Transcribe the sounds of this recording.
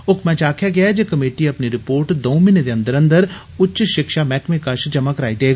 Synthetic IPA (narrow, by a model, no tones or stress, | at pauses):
ʊkʰmɛ̃t͡ʃaːkʰjaɡɐjad͡ʒekɐmeːʈiɐpniɾɪpoːɾʈd̪oːmɪned̪eɐ̃nd̪əɾə̃nd̪əɾ | ʊtːʃʃɪkʃamɛːkmẽkɐʃd͡ʒɐmakəɾaːid̪eːɡa